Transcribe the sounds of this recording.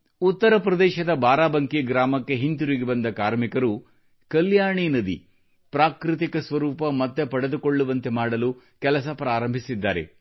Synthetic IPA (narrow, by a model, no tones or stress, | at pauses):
ut̪ːɐɾɐpɾɐd̪ɛːʃɐd̪ɐbaːɾaːbɐŋkiɡɾaːmɐkːe̞ɦint̪uɾiɡebɐnd̪ɐkaːɾmikɐɾu | kɐljaːɳiːnɐd̪ḭ | pɾaːkɾit̪̬ikɐsʋɐɾuːpɐmɐt̪ːe̞pɐɽe̞d̪ukoɭːuʋɐnt̪e̞maːɽɐlu | kɛlɐsɐpɾaːɾɐmbʱisid̪ːaːɾe̞̰